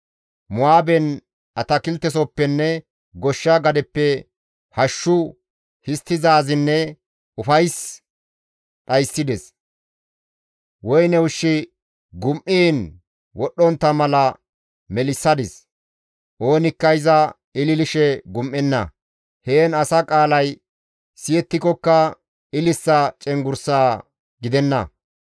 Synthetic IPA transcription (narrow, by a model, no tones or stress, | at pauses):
mʊaːbɛn | ʔɐt̪ɐkɪlt̪ːɛsɔpːɛnːɛ | ɡɔʃːɐɡɐd̪ɛpːɛ | hɐʃːʊ | hɪst̪ːɪzaːzɪnːɛ | ʊfɐjs | ɗɐjsːɪd̪ɛs | wɔjnɛwʊʃːɪ | ɡʊmʔiːn | wɔɗːɔnt̪ːɐmɐlɐ | mɛlɪsːɐd̪ɪs | ʔo̞ːnɪkːɐjɪzɐ | ɪlɪlɪʃɛɡʊmʔːɛnːɐ̰ | heːnɐsɐkʼaːlɐj | sɪjɛt̪ːɪkɔkːɐ | ɪlɪsːɐt͡ʃʼɛŋɡʊɾsaː | ɡɪd̪ɛnːɐ̰